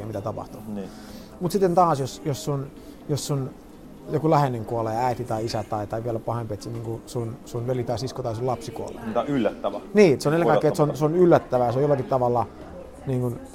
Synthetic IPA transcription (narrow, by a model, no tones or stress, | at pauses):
ɑmit̪æt̪ɑpɑ̰ht̪u | mut̪sit̪ːent̪ɑːsjosjossun | josːun | jokulæheneŋkuoleæit̪it̪ɑiisæt̪ɑit̪ɑiʋiælæpɑhempet̪siniːŋkusunsunʋelit̪ɑisiskot̪ɑisulɑpsikuo̰lḛt̪ylːæt̪ːæʋæniːet̪seonelekɑkːˑeːet̪seonseonylːæt̪ːæʋæjɑseojolːɑkit̪t̪ɑʋɑlːɑ | niːŋkun